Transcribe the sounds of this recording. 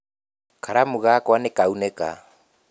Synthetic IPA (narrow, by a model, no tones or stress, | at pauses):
kaɾamuɣakwanekaunɛka̰